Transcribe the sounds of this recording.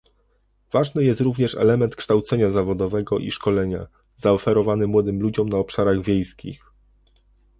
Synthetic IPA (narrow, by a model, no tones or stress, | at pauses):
v̥aʐnɘjɛst̪ɾuvɲɛʂɛ̰lɛmɛnt̪kʂt̪awt̪sɛɲazavɔd̪ɔvɛɡɔʔḭʂkɔlɛɲa̰ | zaɔfɛɾɔvanɘmwɔd̪ɘmlud͡ʑɔmnaɔpʂaɾaɣvʲjejskʲḭx